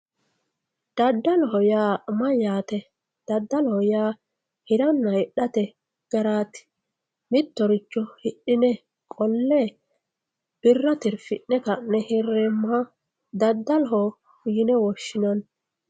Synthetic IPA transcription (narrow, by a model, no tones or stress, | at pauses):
d̪̥ɐd̪ːɐlɔɦɔjaːmɐjaːt̪ɛ | d̪̥ɐd̪ːɐlɔhɔjaː | hɪɾɐnːɐɪɗɐt̪ɛ | ɡ̥ɐɾaːt̪ɪ̥ | mɪt̪ːɔɾɪt͡ʃːɔhɪɗːɪnɛ | kʼɔlːeː | b̥ɪrːɐt̪ɪɾfɪʔːɛkɐnːɛhɪrːɛːmːɐ | d̪ɐd̪ːɐlɔɦɔ | hʊjɪnɛwɔʃːɪnɐn